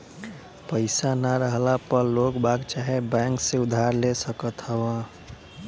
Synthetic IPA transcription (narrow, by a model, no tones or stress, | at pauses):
pəɪsanaɾəɦlapəɾlokbaɡt͡ʃaɦebɛ̃ŋkseʊd̪ʱaɾlesəkət̪ɦəbə